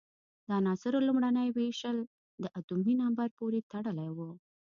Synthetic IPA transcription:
d̪əanɑsɪɾolumɽanəjweʃəl | d̪əʔat̪uminambaɾpoɾet̪aɽəlajwu

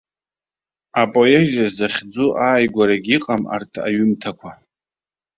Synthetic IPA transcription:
apʼojeʒazzaχʲd͡zuʔaːjɡʷaɾaɡʲiqʼama̰rtʰa̰ɥʏmtʰakʷʰa

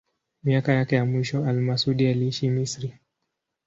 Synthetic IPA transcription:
miakajakɛjamwiʃɔalmasuɗialiiʃimisɾi

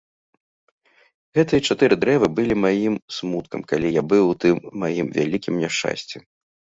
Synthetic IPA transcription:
ɣɛt̪ɨjɐt͡ʂat̪ɨɾɨd̪ɾɛvɨbɨlʲimajimsmut̪kɐmkalʲijabɨwt̪ɨmːajimvʲa̰lʲikʲimnʲɛʂt͡ʂa̰sʲt͡sʲɛ

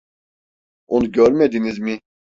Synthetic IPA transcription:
onuɟøɾmɛd̪inizmi

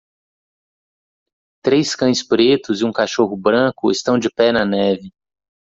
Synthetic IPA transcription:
t̪ɾejskɐ̃j̃spɾet̪ʊzɪũkaʃoɦʊbɾɐ̃kʊɪst̪ɐ̃w̃d͡ʒɪpɛnɐnɛvɪ

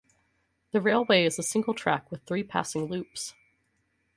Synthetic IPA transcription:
ðɨɹeɪlˠweɪɨzəsɪ̃ŋɡl̩ˠtʰɹ̥æ̰kwɨð̥θɹipʰæ̰sɪ̃ŋlʉps

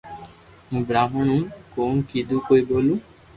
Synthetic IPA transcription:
mũbɾamɔɳ̃ukonkid̪ukojbolũ

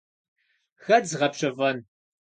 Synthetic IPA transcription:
xɐd͡zʁɐpɕɐvɐn

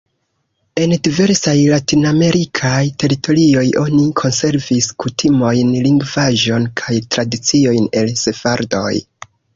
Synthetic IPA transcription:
e̞ndive̞ɾsajlatiname̞ɾʔikʰajte̞ɾitʰo̞ɾio̞jʔo̞nikʰo̞nse̞ɾviskutʰimo̞jnliŋɡvaʒo̞nkʰajtɾadit͡sio̞jne̞lse̞faɾdo̞̰j

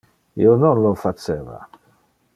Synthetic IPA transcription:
ḭononlofat͡ʃeːva̰

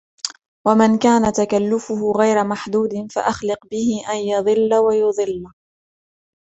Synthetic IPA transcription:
wamɪnkaːnat̪akalːʊfʊhʊɣajɾamaħd̪uːd̪ɪnfa̰ʔaxlɪqbɪhɪʔanjɑðˤɨlːawajʊðˤɨlː

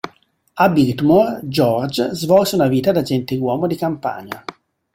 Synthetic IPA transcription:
abilt̪mɔrd͡ʒɔrd͡ʒzvɔlseunaviːt̪ad̪ad͡ʒɛnt̪ewɔːmod̪ikampa̰ɲa

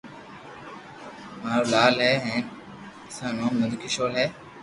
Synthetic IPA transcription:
maːɾoːlaːlɦɛːɦɛ̃ːn | sãːnõːməd̪ʱkʰɪʃoːlɦɛː

